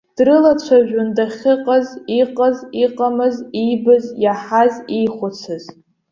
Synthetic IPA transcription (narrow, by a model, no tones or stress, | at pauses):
d̥rɨlat͡ɕʷʰaʒᶣʊndaχʲɪqʼaziqʼəziqʼamɨzijbɨzjaħazijχʷʊt͡sʰɨz̥